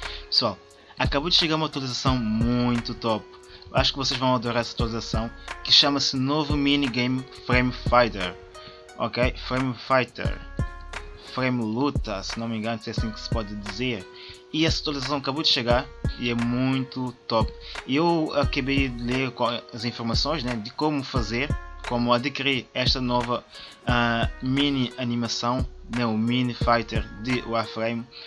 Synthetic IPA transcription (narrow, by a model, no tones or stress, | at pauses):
pɨ̥swalˠ | ɐkɐβowd̪ɨʃeɣaɾũmat̪wɐlˠizɐsɐ̃w̃mũj̃t̪ut̪ɔp | wʔa̰ʃu̥kvoseʒvɐ̃w̃ɐad̪oɾaɾɛsawt̪wɐlˠizɐsɐ̃w̃kɨʃamɐsnovuminiɡẽjmfɾẽjmfajt̪ḛɾ | ɔ̰kejfɾẽj̃mfajt̪ḛɾ | fɾẽjmlˠut̪ɐsɪnɐ̃w̃mẽɡɐ̃nsɛɐsĩksɨ̥pɔd̪ɨd̪izeɾ | iɛsɐt̪uɐlˠizɐs̬ɐ̃w̃ɐkɐβod̪ɨʃɨɣaɾiɛmũj̃t̪ut̪ɔpiewɐkɐβejd̪ɨlˠeɾkõɐzĩfuɾmɐsõj̃ʒnɛd̪ɨkomufɐzeɾkomuɐd̪ɨkiɾiɾɛʃt̪ɐnɔvɐ | aminiɐnimɐsɐ̃w̃nɛ̃uminifajt̪ɛɾd̪ɨʔuafɾejm